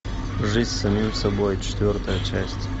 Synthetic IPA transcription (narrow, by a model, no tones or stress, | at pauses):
ʐɨzʲsɐmʲimsɐbojt͡ʃʰt̪ʲvʲort̪ʰɐjɐt͡ʃʰasʲtʲ